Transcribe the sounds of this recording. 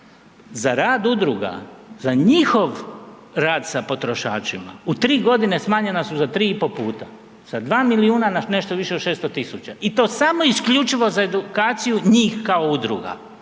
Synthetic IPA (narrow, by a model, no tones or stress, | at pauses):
zaɾaːd̪ud̪ɾuɡa̰zaɲixo̞ʋ | ɾaːd̪sapo̞t̪ɾo̞ʃa̰ːt͡ʃima̰ut̪ɾiːɡo̞d̪ine̞smaːɲe̞nasuzat̪ɾiːipo̞puːt̪a | sad̪ʋaːmiliuːnanane̞ʃt̪oʋiʃe̞od̪ʃeːst̪ot̪isut͡ɕaʔit̪o̞ːsamo̞iskʎut͡ʃiʋo̞zae̞d̪ukaːt̪sijuɲiːxkaoud̪ɾuɡa̰